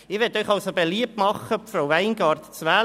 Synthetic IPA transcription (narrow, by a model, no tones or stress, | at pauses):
ɪɾʋɛtœʏχɑlsobeliəp̚tmɑχːəpfɾawʋæɪnɡɑːɾtt͡sʋæː